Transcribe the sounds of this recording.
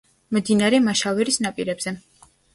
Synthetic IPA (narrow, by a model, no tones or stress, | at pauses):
md̪inaɾɛmaʃavɛɾisnapʼiɾɛbz̥ɛ